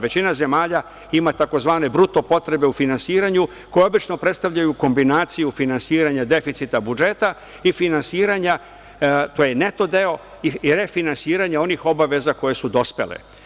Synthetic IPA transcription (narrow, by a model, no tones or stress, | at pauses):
ʋe̞t͡ɕinaze̞maːʎa | imat̪ako̞zʋaːne̞bɾut̪o̞po̞t̪ɾe̞be̞ufinansiːɾaɲu | ko̞jeo̞bit͡ʃno̞pɾet̪st̪avʎajuko̞mbinaːt̪sijufinansiːɾaɲad̪e̞fit̪sit̪abud͡ʒe̞t̪a | ifinansiːɾaɲa | t̪ojene̞t̪o̞d̪e̞o̞ | iɾe̞finansiːɾaɲao̞nixo̞baʋe̞zako̞je̞sud̪o̞spe̞̰lḛ